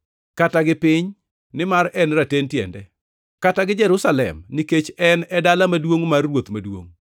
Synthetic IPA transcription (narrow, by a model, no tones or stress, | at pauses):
kataɡɪpɪɲ | nɪmaɾɛnɾatentjɛ̰ndɛ | kataɡɪd͡ʒɛɾʊsalɛ̰mnɪket͡ʃɛnɛdalamadwoŋmarːwot̪madwo̰ŋ